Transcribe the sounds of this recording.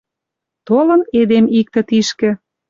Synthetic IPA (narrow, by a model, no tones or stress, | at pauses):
t̪olə̆ned̪emik̚t̪ə̆t̪iʃkĕ